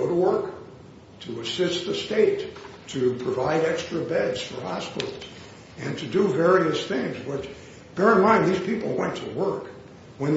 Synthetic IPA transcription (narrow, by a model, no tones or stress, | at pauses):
oʊɾəwɜ˞k | tʰɨəsɪst̪ðɨsteɪtʰː | ɨpʰɹ̥ɨvaɪɾɛkstɹ̥ɨbɛdz̥fə˞hɑspɪ̰ɾl̩ˠz̥ | ɨ̃ntʰɨdɨvɛɹiɨsθɪ̃ŋzwɪt͡ʃ | b̥ɛɹɨ̃nmãɪ̃nðiz̥pipl̩ˠwɛ̃ntʰəwɜ˞k | wə̃n